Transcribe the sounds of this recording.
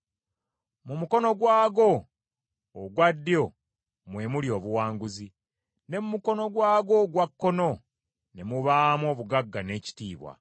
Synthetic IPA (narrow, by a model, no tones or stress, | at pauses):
mumuko̞no̞ɡwaːɡo̞ː | ɡwadːjo̞ | mwe̞muljo̞ːβuwaːŋɡuzi | ne̞mumuko̞no̞ɡwaːɡo̞ɡwakːo̞no̞ | ne̞muβaːmwo̞ːβuɡaɡːane̞ːci̥tiːβwa̰